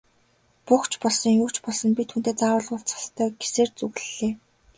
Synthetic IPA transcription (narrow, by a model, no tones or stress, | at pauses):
puxt͡ɕʰpɔɮsɞ̆ŋjʊːt͡ɕpɔɮsɞ̆npit̪xunt̪eːt͡saʁəːɮʊɮt͡sḁst̪ʰːœːɡe̥seːrt͡suɣɮeː